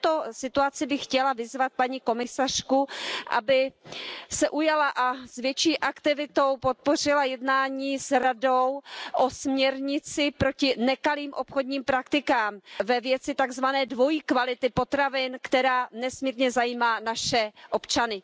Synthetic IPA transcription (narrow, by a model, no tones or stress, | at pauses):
t̪o̞sɪt̪uat͡sɪbɪxxcɛlavɪzvat̪̚paɲiko̞mɪsar̝̥kuʔa̰bɪ | sɛʔujalaʔasvjɛt͡ʃiːʔakt̪ɪvɪt̪o̞wpo̞t̪̚po̞r̝ɪlajɛdnaːɲiːsɾado̞wʔosmɲɛɾɲɪt͡sɪpɾo̞cɪnɛkaliːmʔopxo̞dɲiːmpɾakt̪ɪkaːmvɛvjɛt͡sɪt̪aɡzvanɛːdvo̞jikvalɪt̪ɪpo̞t̪ɾavɪnkt̪ɛɾaːnɛsmiːɾɲɛzajiːmaːnaʃɛʔo̞pt͡ʃanɪ